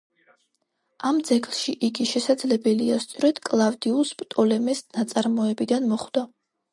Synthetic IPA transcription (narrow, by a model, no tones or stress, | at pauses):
amd̪zɛkʰʼlˠʃiʔiɡiʃɛsad̪zlɛbɛliast̪sʼɔɾɛd̪̥kʼlˠavd̪iuspʼɾt̪ʼɔlɛmɛsnat̪sʼaɾmɔɛbid̪anmɔχd̪̥a